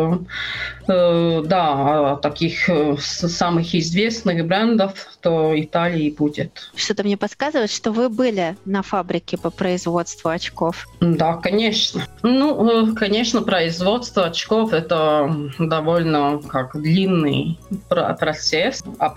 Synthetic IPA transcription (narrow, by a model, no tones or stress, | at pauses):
d̪at̪ɐkʲix | samɨxɪzvʲesnɨxbɾɛnd̪əft̪oɪt̪alʲɪɪbutʲɪt̪ʂt̪ot̪əmnʲepɐt̪skazɨvəɪt̪ʂt̪ovɨbɨlʲɪnɐfabɾʲɪkʲɪpəpɾəɪzvo̞t̪st̪vʊɐt͡ɕkofd̪akɐnʲeʂnənukɐnʲeʂnəpɾəɪzvot̪st̪vəɐt͡ɕkofɛt̪əd̪ɐvolʲnəkakd̪lʲinːɨ̰jpɐ̰pɾɐt̪sɛsɐ